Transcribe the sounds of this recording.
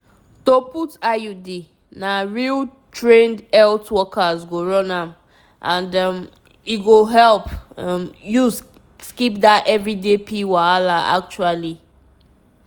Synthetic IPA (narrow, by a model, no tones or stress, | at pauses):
toputajudi | naɹiltʰɹẽndɛltwɔkazɡoɹɔ̃nam | ʔãndm | iɡoɦɛlpmjus | skip̚daɛvɹidepʰiwaalaa̰k̚t͡ʃuali